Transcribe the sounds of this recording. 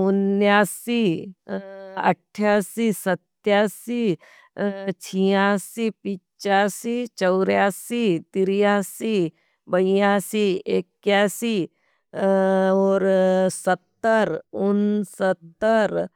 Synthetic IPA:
ʊnjaːsi | ɐ̰ʈʰːjaːsiːsɐt̪jaːsi | t͡ʃʰijaːsipit͡ʃaːsit͡ʃɐʊɾjaːsit̪iɾjaːsi | bɐijaːsiekjaːsi | ɔːɾsɐt̪ːəɾʊnsət̪ːəɾ

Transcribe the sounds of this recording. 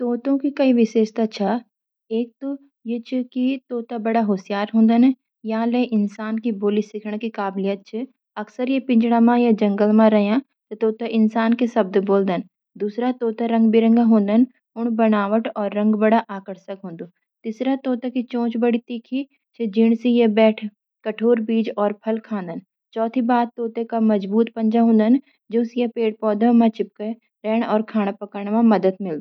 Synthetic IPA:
t̪oːt̪õkikɐiʋɪʃeːʃt̪at͡ʃʰa | eːk̚t̪o | jet͡ʃʰukit̪oːt̪abɐɽaɦoːsjaːɾɦõːnd̪ənɛ | jɐɦãlẽʔɪnsaːnkiboːlisɪkʰɽ̃kikaːblijət̪̚t͡ʃʰɪ | ɐksəɾjepɪ̃ɲd͡ʒɽamãjad͡ʒɐ̃ŋɡəlmãɾɐɦjã | t̪ot̪oːt̪aʔɪnsaːnkesɐb̚d̪boːld̪ən | d̪uːsɾat̪oːt̪aɾɐ̃ŋɡbɪɾə̃ŋɡãɦõːnd̪ən | ʊɳ̃bɐnaːʋəʈɔːɾːɐ̃ŋɡbɐɽaʔaːkəɽsəkɦõːnd̪o | t̪iːsɾat̪oːt̪ekit͡ʃõːt͡ʃbɐɽit̪iːkʰi | t͡ʃʰed͡ʒɪɽ̃sijebɛːʈʰ | kɐʈʰoːɾbiːd͡ʒɔːɾpʰɐlkʰãːnd̪ən | t͡ʃɔːt̪ʰibaːd̪̚t̪oːt̪ekamɐd͡ʒbuːt̪pɐ̃ɲd͡ʒaɦõːnd̪ən | d͡ʒoːsijepeːʈ̚pɔːd̪əmãt͡ʃɪp̚ke | ɾɛːɽɔːɾkʰaːɽ̃apɐkəɾɳ̃mãmɐd̪əd̪̚mɪld̪

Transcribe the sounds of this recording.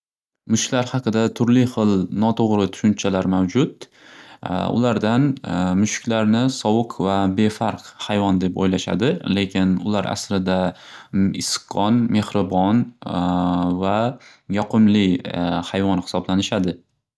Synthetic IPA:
mʊʃkʲlaɾhɑqʰɨd̪at̪ʰʊɾlɪχɨlˠnɒt̪ʰoʁɾɪt̪ʰʊ̥ʃʊnt͡ʃʰalaɾmawd͡ʒʊt̪ | ʊ̰laɾd̪anmʊʃɪ̥kʲlaɾnɪsɒwʊqʰvabe̞faɾqhajvɒnd̪e̞po̰jlaʃa̰d̪ɪle̞kʲʰɪnʊ̰laɾʔa̰sɾɪd̪a | ɪsqʰɒnme̞hɾɪbɒn | va | jɒqʰɨmlɪhajvɒnhɪ̥sɒblanɪʃad̪ɪ

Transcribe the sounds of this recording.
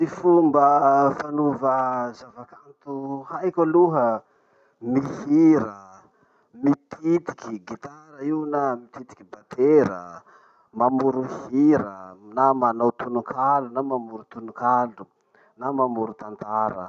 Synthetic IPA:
mifumbəfanuvəzavakant̪uhajkəluɦə | mihiɾə | mit̪ʰit̪i̥kiɡit̪aɾəiwnamit̪it̪i̥kibat̪eɾə̰ | mamuɾuhiɾənamanowt̪unukʰalunamamuɾut̪unukalu | namamuɾut̪ant̪aɾə̰

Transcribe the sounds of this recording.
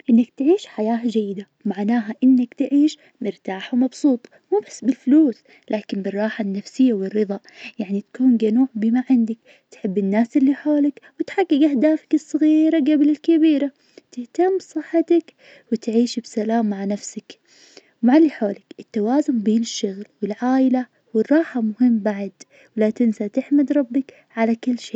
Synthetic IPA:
ʔɪnːakt̪ʕiːʃħajaːhad͡ʒajːɪd̪a | maʕnaːɦaʔɪnːakt̪ʕiːʃ | mɪɾt̪aːħwmɑbsˤuːt̪ˤ | muːbasːbɪlfʊluːs | lʔaːkɪnbɪrˤːɑːħanːafsɪjːawɪrːɨðˤɑ | jaʕnit̪ḁkuːnɡanuːʕbɪmaʕɪnd̪ak̚ | t̪ħɪbːɪnːaːsʔɪlːiħoːlakwɪt̪ħaɡːɪɡʔahd̪aːfḁkɨsˤːɑɣiːɾaɡablɪlkɪbiːɾa | t̪ɪht̪ambsˤɨħːat̪ak | wɪt̪ʕiːʃbsalaːmːaʕnafsak | maʕliħoːlɪkʔɪt̪ːawaːzʊmbeːnɪʃːʊɣlwɪlʕaːʔɪla | wɪrˤːɑːħamʊhɪmːbaʕd̪ | wlat̪ɪnsat̪ɪħmad̪ɾˤɑbːɪk | ʕalakɪlːʃeː

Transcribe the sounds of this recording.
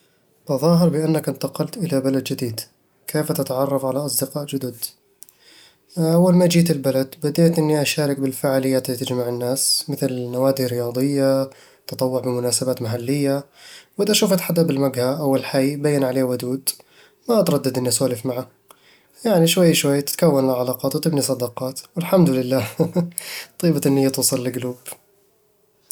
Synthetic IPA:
t̪ɑðˤɑːɦɪɾbɪʔanːakʔɪnt̪ɑqɑlt̪ʔɪlabalad̪d͡ʒɪd̪iːd̪ | kʰeːft̪ɪt̪aʕɑrˤːɑfʕalaʔɑsˤd̪ɪqɑːʔd͡ʒʊd̪ʊd̪ | ʔawːalmad͡ʒiːt̪ɪlbalad̪bad̪eːt̪ʔɪnːiʔaʃaːɾɪk̚bɪlfaːʕaːlɪjːaːt̪ɪlːit̪ɪd͡ʒmaʕɪnːaːsmɪθlnawaːd̪iɾɪjɑːd̪ˤɨjːa | t̪ɑt̪ˤɑwːʊʕbɪmʊnaːsabaːt̪maħalːɪjːawʔɪðaʔʃuːfʔat̪ħad̪ːʔabɪlmaɡhaʔawːɪlħajbajːanʕaleːwʊd̪uːd̪ | maʔat̪ɾˤɑd̪ːad̪ʔɪnːiʔasaːlɪfmaʕa | jaʕniʃwajːʃwajːt̪ɪ̥t̪kawːanɪlʕalɑːqɑːt̪wt̪ˤiːbnisˤɑd̪ɑqɑːt̪wɪlħamd̪lɪlːaː | t̪ˤiːbat̪ʔɪnːɪjːat̪uːsˤɑlːɪɡluːb̥

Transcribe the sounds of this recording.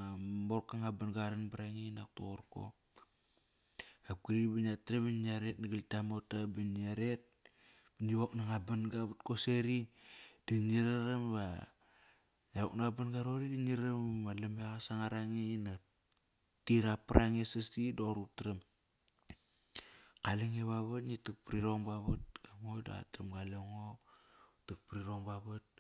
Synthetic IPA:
amoɾkːaŋabanɡaɾanbaɾaŋinak̚toɾko̰ | ap̚kiɾibanatɾebiniaɾet̚naɡaltamotabinaɾet̚ | biniβaknaŋabanɡaβat̚koseɾidiniɾaɾamβa | eok̚naabanɡaɾoɾidiniɾβalameaɣasaŋaɾaŋina | tiɾapaɾʔaŋesasidoɾutɾam | kaleŋeβaβatnitak̚pɾiɾoŋbaβat̚ɡamojda̰a̰tamɡaleŋo | tak̚pɾiɾoŋbaβat̚

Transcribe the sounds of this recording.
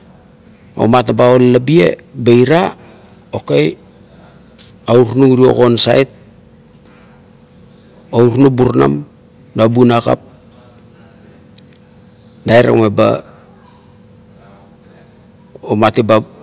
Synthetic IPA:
o̰matebaollabie̞̰bejɾa | okej | auɾnuŋɾio̞̰ko̞nsa̰jt̚ | ouɾnubuɾna̰m | dabunaka̰p̚ | daeɾa̰ŋeba̰ | omateba

